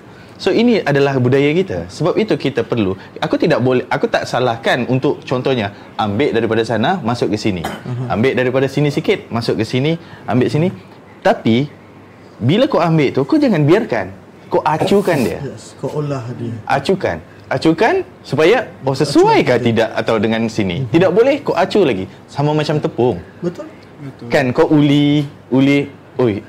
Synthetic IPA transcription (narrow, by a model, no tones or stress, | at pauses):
soiniʔadalahbudajakit̪a̰səbap̚it̪ukit̪apərlu | akut̪idaʔbolɛhakut̪aʔsalahkanunt̪ʊʔ̚t͡ʃɔnt̪ɔhɲa | ambɪʔdaɾipadasanamasʊʔkəsinḭa̰mbɪʔdaɾipadasinisikɪt̪̚masʊʔkəsiniambɪʔsini | t̪api | bilakowambɪʔt̪ukowd͡ʒaŋanbiarka̰n | koʔat͡ʃukandiə̰ | ʔa̰t͡ʃuka̰n | at͡ʃukan | supajaosəsuajkaht̪idaʔat̪awdəŋãnsinḭt̪idaʔ̚bolɛhkoʔat͡ʃulaɡi | samamat͡ʃamt̪əpʊŋ | kankawʔuli | uli | oj